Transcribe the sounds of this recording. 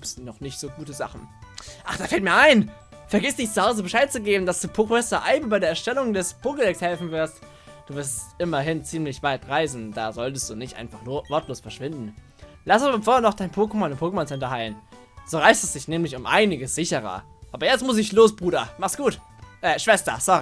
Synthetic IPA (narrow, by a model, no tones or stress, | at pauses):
ɪsnɔχnɪçtz̥oːɡuːtəza̰χn̩ʔaχd̥aːfɛltmiːɐʔaɪn | fɛɐɡɪstd̥ɪçt͡suhaʊzəbəʃaɪt̚t͡suɡeːbm̩dasd̥uːpʰoːkɛstɐʔaɪb̩baɪdeɐɛɐʃtɛlʊŋdɛspʰoːkədɛkshɛlfn̩vɪɐst | d̥uːvɪɐstʔɪmɐɦɪnt͡siːmlɪçv̥aɪtʁaɪzn̩d̥a̰ːzɔltəst̚d̥uːnɪçtʔa̰ɪnfaχnːvɔɐtloːsfɛɐʃv̥ɪndn̩ | lasabɐfoːɐːɐnɔχd̥aɪnpʰoːkəmɔnʊmpʰoːkəmɔnt͡sɛntɐhaɪlən | z̥oːʁaɪstɛsd̥ɪçnɛːmlɪçʊmʔa̰ɪnɪɡəsz̥ɪçəʁɐ̰ʔaːbɐjɛt͡stmʊs̬ɪçloːsb̥ʁuːɾɐmaχsɡ̥uːt | ʔɛːʃv̥ɛstɐ̰sɔʁi